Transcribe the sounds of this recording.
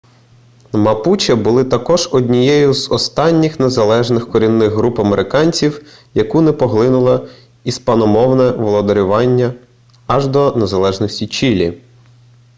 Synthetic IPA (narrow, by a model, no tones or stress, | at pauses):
mɐput͡ʃɐbʊlˠɪt̪ɐkɔʒɔdʲnʲijɛjʊzɔst̪ɑnʲːɪxnezɐlˠɛʒnɪxkɔɾʲinːɪɣɦɾupɐmeɾʔɪkɑnʲt͡sʲiwjɐkunɛpɔɦlˠɪnʊlˠɐ | ispɐnɔmɔwnɛʋɔlˠɔd̪eɾʲʊʋɑnʲːɐː | ʒd̪ɔne̞zɐlˠɛʒnɔsʲtʲit͡ʃilʲḭ